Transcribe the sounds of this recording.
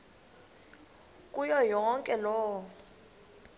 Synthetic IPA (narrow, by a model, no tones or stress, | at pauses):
kʼujɔjɔŋkʼɛlɔː